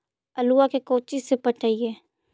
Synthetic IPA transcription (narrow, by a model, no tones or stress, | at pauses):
ɐluakekoːt͡ʃɪsepəʈʰaːiɦɛː